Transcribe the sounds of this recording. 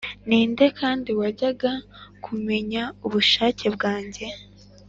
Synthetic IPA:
niːnde̞kʰaːndiwaɟaɡakʰume̞ɲauβuʃaːce̞bɡaːɲɟe̞

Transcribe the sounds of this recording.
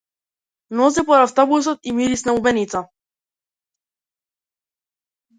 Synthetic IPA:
nɔs̬ɛpɔɾaft̪ɔbusɔt̪imiɾisnaubɛnit̪sa

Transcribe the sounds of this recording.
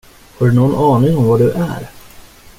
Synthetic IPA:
haɖɵnɔnːɑːnɪŋɔmvaɖɵʔæ̰ɾ

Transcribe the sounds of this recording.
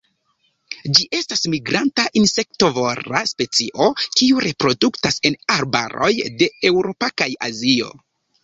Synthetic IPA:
d͡ʒiʔe̞stasmiɡɾantaʔinse̞k̚to̞vo̞ɾa̰spe̞t͡siʔo̞kiuɾe̞pɾo̞duktase̞naɾbaɾo̞̰jde̞e̞wɾopakaja̰zio̞̰

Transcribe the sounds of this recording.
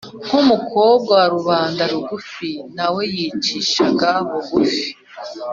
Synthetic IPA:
ŋkumukʰo̞ːb̚ɡawaɾuβaːndaɾuɡufinawe̞jit͡ʃiʃaɡaβoɡufi̥

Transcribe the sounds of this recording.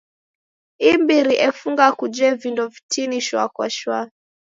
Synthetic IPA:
imbiɾiʔɛfuŋɡakud͡ʒɛvindɔvitʰiniʃwakwa̰ʃwa

